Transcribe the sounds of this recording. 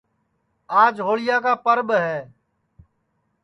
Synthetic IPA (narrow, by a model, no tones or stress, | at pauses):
aːd͡ʒɦoːɭɪjaːkaːpəɾɓɦɛː